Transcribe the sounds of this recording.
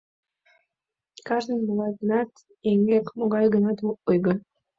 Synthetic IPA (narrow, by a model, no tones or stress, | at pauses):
kɑʒd̪ənmoɣɑjɡənɑt̪ | eŋɡekmoɣɑjɡənɑt̪oujɣə